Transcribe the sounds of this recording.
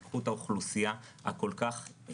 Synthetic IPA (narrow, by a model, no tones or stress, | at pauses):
kχutauχlusijaa̰ko̞lkaχ